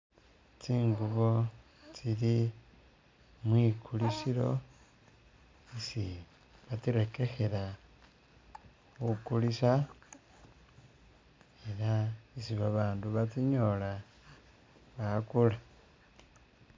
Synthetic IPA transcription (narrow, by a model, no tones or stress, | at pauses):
t͡siːŋɡuβo̞ | t͡sili | mwikuliʃiɾo̞ | isi | βatiɾeke̞xe̞ɾa | xukulisa | eɾaisiβaβaːnduβatiɲo̞la | βakula